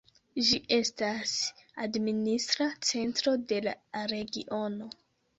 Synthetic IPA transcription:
ʒiʔe̞stasadministɾat͡se̞ntɾo̞de̞laɾe̞ɡiʔo̞no̞

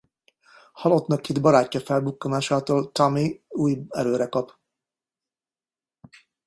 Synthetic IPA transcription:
hɒlot̪nɒkːid̪bɒɾaːcːɒfɛlbukːomaːʃaːt̪oːlt̪ɒmiuːjɛ̰ɾøːɾɛkɒp

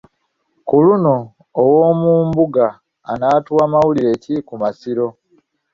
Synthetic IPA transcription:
kuluno̞ː | woːmuːmbuɡa̰ː | naːtwaːmawuliɾe̞ːcikumasiɾo̞

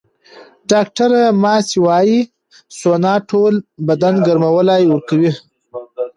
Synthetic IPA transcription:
ɖɑk̚ʈaɾamɑːsiwɑji | sonɑːʈʰolbad̪anɡaɾmawəlajwəɾkawi

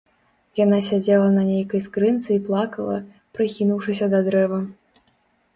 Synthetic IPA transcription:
janasʲad͡zʲɛlˠɐnɐnʲejkɐjskɾɨnt̪sɨiplˠakɐlˠɐ̰ | pɾɨkʲinuwʂɨsʲɐd̪ɐd̪ɾɛvɐ

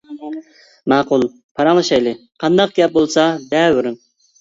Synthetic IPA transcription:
mɑːqulˠ | pʰɑɾɑŋlˠɨʃɑjlˠɨqʰɑnd̪ɑq̚ɡʲɛp̚bolˠsɑd̪ɛbʊɾɨn

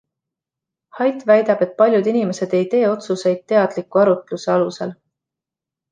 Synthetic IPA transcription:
hɑjt̪ˑvæjd̪̥ɑb̥e̞t̪̚pɑlʲjud̪inime̞se̞d̪̥e̞jt̪e̞ːo̞t̪suse̞jd̪̥̚t̪ːe̞ɑd̪̥likːuɑɾut̪luse̞ɑlusel

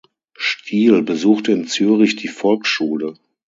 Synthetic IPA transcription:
ʃtʰiːlbəzuːxtəɪnt͡syːʁɪçd̥iːfɔlkʃuːlə

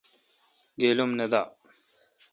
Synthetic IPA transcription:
ɡelumned̪a

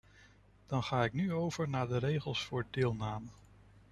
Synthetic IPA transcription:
d̥ɑnχaːɪknyowv̥əɹnaːɹdərejχəlˠsfʊːɹdɪːlˠnaːmə

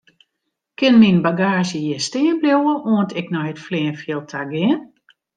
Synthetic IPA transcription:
kɪnminbaɡaːʒjəjɛstɪənbljowəʔoəntɛknɔjətflɛːənfjɪlˠtʰaɡɪən

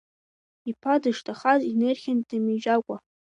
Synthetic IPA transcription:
ipʰadɨʂtʰʼaχazinerχʲandɨmiʒakʷʼa

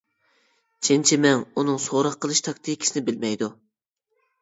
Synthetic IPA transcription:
t͡ʃʰent͡ʃʰimɛŋunɨŋsoɾɑqʰːəlˠɨʃt̪ʰɑk̚ʲt̪ʰikʲʰi̥snɪbɪlmɛjd̪u

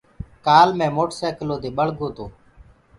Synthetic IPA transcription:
kaːlmẽːmoːʈsɛːkloːt̪eːɓəɭ̤ɡʱoːt̪oː

